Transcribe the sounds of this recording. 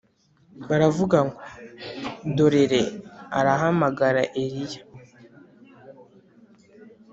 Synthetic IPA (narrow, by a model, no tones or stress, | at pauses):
βaɾavuɡaŋɡo | do̞ɾe̞ɾe̞a̰ɾaɦamaɡaɾaʔeɾijḁ